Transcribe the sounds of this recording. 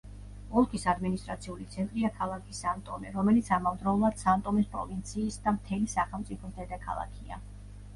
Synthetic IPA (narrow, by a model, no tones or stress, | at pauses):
ɔlˠkʰisad̪minist̪ʼɾat̪sʰiulit̪sʰɛnt̪ʼɾiakʰalˠakʰisant̪ʼɔmɛɾɔmɛlit̪sʰamavd̪ɾaulˠad̪̥sant̪ʼɔmɛspʼɾɔ̰vint̪sʰiːsd̪amt̪ʰɛlisaχɛlˠt̪sʼipʰɔmd̪ɛd̪akʰa̰lˠa̰kʰia̰